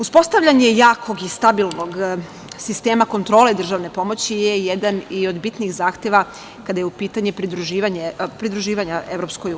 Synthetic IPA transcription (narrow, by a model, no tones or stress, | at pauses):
uspo̞st̪aʋʎʲaɲe̞jaːkʰo̞ɡist̪abilno̞ɡ | sist̪e̞ːmako̞nt̪ɾo̞ːled̪r̩ʒaʋne̞po̞mo̞t͡ɕijejed̪anio̞d̪bit̪nixzaːxt̪je̞ʋa | kad̪ajeupiːt̪aɲepɾid̪ɾuʒiːʋaɲepɾid̪ɾuʒiːʋaɲae̞ʋɾo̞pskojuː